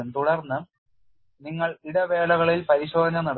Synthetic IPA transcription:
umt̪uɽɐrnːɨ | niŋːɐɭiɽɐʋe̞ːɭɐɣɐɭilpɐɾiɕoːd̪ʱɐɲːɐnɐɽ

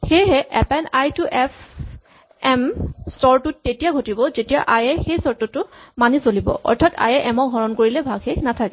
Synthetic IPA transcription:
xejɦɛʔɛpɛnajtuʔɛpʰ | ɛmstɔɹtutːetijaɡʱotibɔzetija̰ʔajɛxejsɔɹtɔtʊmanisolibɔ̰ʔɔ̰ɹtʰata̰jɛʔɛmɔk̚ɡʱɔɹɔnkoɹilɛbʱaɡxenatʰakɛ

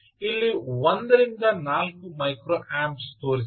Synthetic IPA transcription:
ilːiwond̪ɐɾind̪ɐnaːlkumɐjkɾoːʔaːmpst̪oːɾis

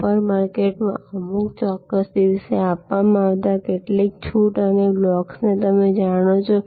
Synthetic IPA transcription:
pəɾmaɾkeʈmã̰əmukt͡ʃɔkːəsd̪iʋseapʋamãaʋt̪akeʈlik̚t͡ʃʰuʈəneblɔksnet̪əmed͡ʒaɽ̃ot͡ʃʰo

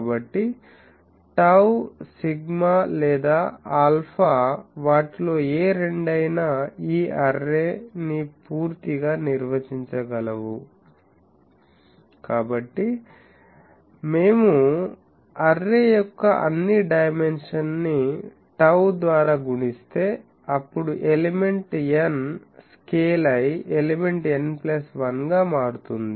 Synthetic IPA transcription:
bɐʈːi | ʈɐwsiɡmaːlɛːd̪aːaːlpʰaːʋaːʈlo̞ːeːɾeɳɖɐjnaːiːʔɐɾːeːnipuːɾt̪iɡaːniɾʋɐt͡ʃiɲt͡ʃɐɡɐlɐʋu | kaːbɐʈːi | me̞ːmu | ɐrːeːjɔkːɐʔɐ̰nːiɖɐjme̞nʂɐnːi | ʈɐwd̪ʋaːɾaːɡuɳist̪e̞ː | ɐpːuɽuʔelime̞ɳʈen | skeːlɐjelime̞ɳʈenplɐsʋɐnɡaːmaːɽut̪und̪i

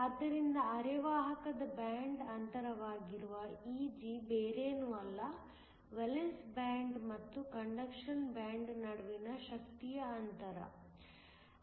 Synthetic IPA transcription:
ɐd̪ːɐɾind̪ɐɐɾɛʋaːɦɐkɐd̪ɐbjaːɳɖɐnt̪ɐɾɐʋaːɡiɾuʋɐiːd͡ʒibeːɾeːnuːɐlːɐ | ʋelensbaːɳɖmɐt̪ːukɐɳɖɐkʂɐnbjaːɳɖnɐɽuʋinɐʃɐkt̪ijɐːnt̪ɐɾɐ̰

